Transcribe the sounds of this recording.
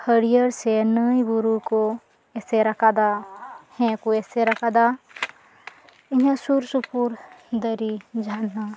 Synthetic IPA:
həɽijəɾsenəibuɾuko | ɛseɾɐkʰad̪ahɛ̃kuɛseɾɐkʰad̪a | ɪɦẽsuɾsupuɾd̪əɾid͡ʒaːnːa

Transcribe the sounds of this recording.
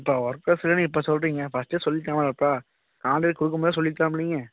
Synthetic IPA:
ɪpːoːʋɐɾkɾɐsɪlɐnɯɪpːoːsɔlɾiːŋɡɐfɐsʈeːsɔlːɪʈːaːmɐlɐpːɾaː | kaːɳɖɐɾkʊɽɯk̬ːɐmboːðes̬ɔlːɪʈːãːpːɽiːŋɡɐ

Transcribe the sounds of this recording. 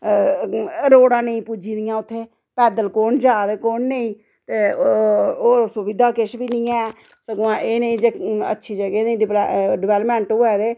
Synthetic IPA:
ɾoːɽãːnəĩːpuːd͡ʒiːd̪ɪjãːʊt̪ʰːeː | pɛːd̪əlkoːɳd͡ʒaːd̪eːkoːnnəĩː | t̪eː | oːsʊʋɪd̪ʱaːkɪʃbiːnĩːɛ̃ː | səɡoãːʔeːnəĩːd͡ʒeə̰tːʃʰiːd͡ʒəɡeːnĩːɖɖɪʋɛːləpmɛ̃ːɳʈoɛːd̪eː

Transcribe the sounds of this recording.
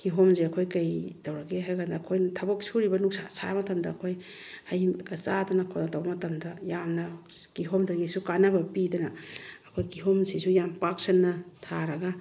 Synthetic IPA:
kiɦomzeɐkʰojkajdɐwɾɐɡeɦajɡandɐːkʰojntʰɐbɐk̚suɾibɐnuk̚sa̰sʰamɐtɐmdɐːkʰoj | hajkɐt͡ʃadɐnɐkʰoatawbɐmɐtɐmdɐjamnɐkiɦomdɐɡisukanɐbɐpidɐnɐːkʰojkiɦomsisujampak̚senːɐtʰaɾɐɡa

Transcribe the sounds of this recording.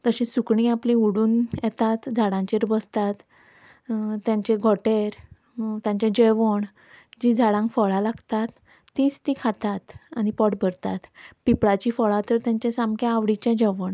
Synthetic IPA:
t̪əɕĩsukɳĩaplĩuɽuːnjɛt̪at̪d͡zʱaɽãɲt͡ɕeɾbəst̪at̪ | t̪jãɲt͡ɕeɡʱɔʈeɾ | t̪jãɲt͡ɕɛ̃d͡ʑeʋəɳ | d͡ʑid͡zʱaɽãŋkfɔɭalaɡt̪at̪ː | it͡st̪ĩkʰat̪at̪añipɔʈbʱəɾt̪at̪pipɭat͡ɕifɔɭat̪əɾt̪jãɲt͡ɕɛ̃samkʰãaʋɽit͡ɕɛ̃d͡ʑeʋəɳ

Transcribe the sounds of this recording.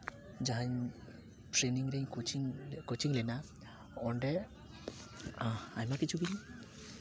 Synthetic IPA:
d͡ʒaɦaɲ | ʈʰɾeniŋɾɛɲkut͡ʃiŋkot͡ʃʰiŋlɛna | ɔɳɖɛ | aajmakit͡ʃʰuɡiɾi

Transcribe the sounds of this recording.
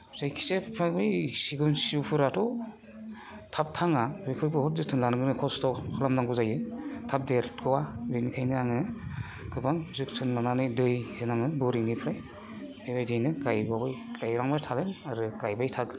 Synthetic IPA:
zajkʰi̥sepʰabisiɡunsiupʰɯɾatʰɔ | tʰap̚tʰaŋadɯjkʰɯɾbɯhɔt̚zɯtʰɯnlanɡɯnɯkʰɔstɔkʰɯlamnaŋɡuzajɯtʰap̚deɾtɡɯwaɡɯjnikʰajnɯaŋɯ | kʰɯbaŋzɯktʰɯnlananɯdɯjhenaŋnɯbɯɾiŋnipʰɾaj | ebajdɯjnɯɡajbabajɡajɾaŋbatʰalɯnaɾɯɡajbajtʰaɡɯ

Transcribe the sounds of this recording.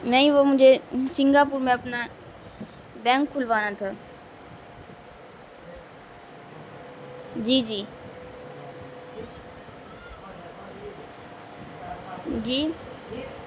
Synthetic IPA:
nəĩʋoːmʊ̃ɦd͡ʒesɪ̃ŋɡaːpuːɾmẽɐpna | bɛ̃ːŋkʰːʊlʋaːñãːt̪ʰaː | d͡ʒiːd͡ʒiː | d͡ʒiː

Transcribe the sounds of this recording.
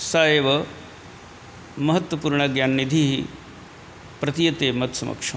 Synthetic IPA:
saːjeʋɐ | mɐɦɐt̪wɐpuːɾɳɐɡjaːnːid̪ʱiɦi | pɾɐt̪ijɐt̪eːmɐt̪sɐmɐ̰kʂɐ

